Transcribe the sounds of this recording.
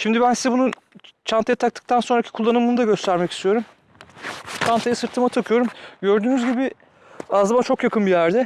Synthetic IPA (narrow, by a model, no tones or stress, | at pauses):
ʃimd̪ɪbænsizɛbunu | t͡ʃʰant̪ʰajat̪ʰak̚t̪ʰɯ̥k̚t̪ʰanso̞nɾacʰi̥kʰulˠːanɯmɯnud̪aɟø̞st̪ʰæɾmɛcʰi̥st̪ʰijo̞ɾum | t͡ʃʰant̪ʰajɯsɯɾt̪ʰɯmat̪ʰakʰɯjo̞ɾumɟø̞ɾd̪yːnyzɟibɪ | azɯmant͡ʃʰo̞kjakʰɯnbijæɾd̪ɛ